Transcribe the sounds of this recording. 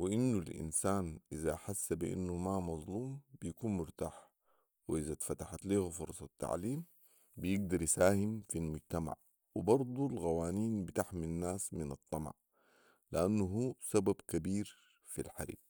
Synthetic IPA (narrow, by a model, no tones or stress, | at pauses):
wiʔinːulʔḭnsaːnʔizaħasːabiʔa̰nːumamɑzˤluːmb̥ijakuːnmʊɾt̪a̰ːħ | wiʔizat̪fat̪aħat̪liːhufʊɾˤsˤɑt̪ːa̰ʕliːm | bijɪɡ̚d̪ɑɾˤjisaːhimfilmʊd͡ʒt̪ama̰ʕ | wibɑɾˤd̪ˤulɣawaːniːnbit̪aħminːaːsminɨt̪ˤːɑmɑ̰ʕ | liʔanːuɦuːsababkabiːɾ | filħaɾḭːb